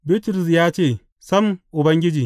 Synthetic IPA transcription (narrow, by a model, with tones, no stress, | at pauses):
bi˦tɾʊ˨s̬jaː˦t͡ʃeː˦˨ | sɐ˦m˨ʔʊ˨bɐ˦ŋɡʲɪ˦d͡ʒiː˨